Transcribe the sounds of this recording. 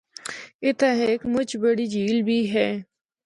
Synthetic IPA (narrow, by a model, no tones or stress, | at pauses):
ɪt̪ʰaɦeːkmʊt͡ʃbəɽiːd͡ʒiːlbʱiːɦɛː